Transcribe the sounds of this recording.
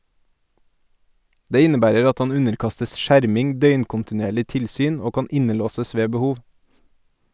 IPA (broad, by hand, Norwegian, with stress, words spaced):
ˈdeː ˈɪnəˌbæːɾəɾ ˈɑt ˈɑn ˈʉnəɾˌkɑstəs ˈʃæɾmɪŋ ˈdœʏnkʊntɪˌneːɭɪ ˈtɪlˌsyːn ˈoː ˈkɑːn ˈɪnəˌloːsəs ˈʋeː bəˈhuːʋ